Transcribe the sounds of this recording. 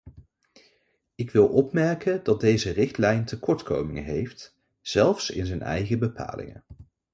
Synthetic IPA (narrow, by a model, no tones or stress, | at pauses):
ɪkʋɪlˠʔɔpmɛɹkəndɑd̚dejzərɪχtlɛjntəkɔɹtko̰wmɪŋə̰ɦejft | z̥ɛlˠfsɪ̰nzəjnɛ̰jχəbəpʰa̰ːlɪ̰ŋə̰